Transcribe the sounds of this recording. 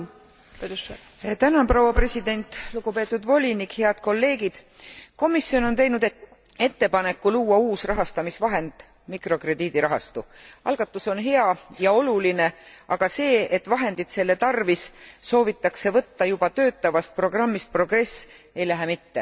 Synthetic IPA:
t̪ænɑnprowɑpre̞sid̪̥e̞nʲt̪ˑluɡ̥upe̞ːt̪ːˑud̪vo̞lʲinikhe̞ɑd̪̥ko̞lːe̞ːɡ̥id̪̥ko̞misːio̞no̞nt̪e̞jnud̪̥e | e̞t̪ːe̞pɑne̞kːuluːɑuːsrɑɦɑst̪ɑmisvɑɦe̞nd̪̥ | mikro̞kre̞d̪iːd̪̥iɾɑɦɑ̰st̪uɑ̰lɡ̥ɑt̪ːˑuso̞nɦe̞ɑjɑo̞luline̞ʔɑɡ̥ɑse̞ːet̪ːvɑɦe̞nd̪̥it̪se̞lːe̞t̪ɑrvisso̞ːvit̪ːɑkse̞vɤt̪ːɑjubɑt̪ø̞ːt̪ːɑvɑst̪̚pro̞ɡ̥rɑmːist̪̚pro̞ɡ̥re̞s | e̞jlæɦemit̪ːe̞

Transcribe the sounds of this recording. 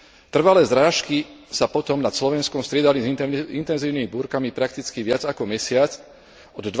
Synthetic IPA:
t̪r̩ʋalɛːzɾaːʃkisapɔt̪ɔmnat̪slɔʋɛnskɔmst̪ɾɪɛd̪alizḭnt̪ɛnziːʊnimibuːɾkamipɾak̚t̪it͡skiʋɪad͡zakɔmɛsɪat͡s | ɔd̪d̪ʋ

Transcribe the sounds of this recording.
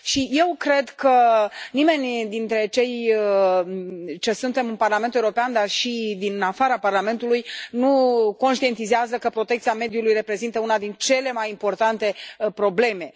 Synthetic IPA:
ʃije̞wkɾe̞d̪kənime̞nʲd̪int̪ɾe̞t͡ʃe̞j | t͡ʃe̞sunt̪e̞mɨnparlame̞nt̪uewuɾo̞peand̪arʃid̪inafaɾaparlame̞nt̪ulujnuko̞nʃt̪ie̞nt̪izeazəkəpɾo̞t̪ekt̪siame̞d̪julujre̞pɾe̞zint̪əunad̪int͡ʃe̞le̞majimpo̞rt̪ant̪e̞pɾo̞ble̞me̞

